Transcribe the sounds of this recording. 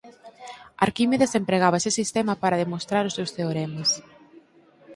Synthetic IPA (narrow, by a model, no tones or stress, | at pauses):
a̰ɾkimeðesempɾeɣ̞aβɐesesist̪emɐpaɾɐðemost̪ɾaɾʊsewsθeoɾemes